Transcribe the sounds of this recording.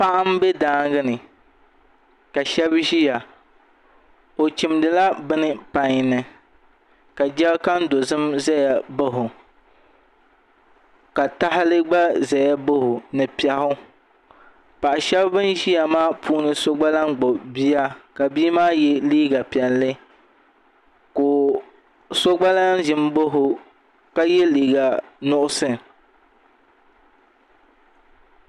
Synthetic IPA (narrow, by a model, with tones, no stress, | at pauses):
pa˦ʔa˦m˦bɛ˦daː˦ŋɡɨ˦nɨ˨ | ka˨ʃɛ˦bʒi˦ja˨ | o˨t͡ʃi˨mdɨ˨la˦bɨ˦nɨ˦pa˨ɲ˨nɨ˨ | ka˨d͡ʒɛ˦bka˦n˦do˨zɨ˦mzɛ˦ja˨bɨ˦ɦʊ˨ | ka˨ta˦ɦɪ˦lɨ˦ɡ͡ba˦za˨ja˦bɨ˦hʊ˨nɨ˨pi˦ɛ˦hʊ˦ | pa˨ʔa˨ʃɛ˦bbɨ˦n˦ʒi˦ja˨maː˦pʰuː˦nɨ˦so˦ɡ͡ba˦la˦ŋɡ͡bo˨bi˦a˦ka˨biː˦maː˦jɛ˦liː˦ɡa˨pɛ˨nlɨ˦ | koː˨ | so˦ɡ͡ba˦la˦n˦ʒɪ˨m˦bo˦ɦʊ˨ | ka˦jɛ˦liː˨ɡa˨nʊ˦ʔʊ˦sɨ˦˨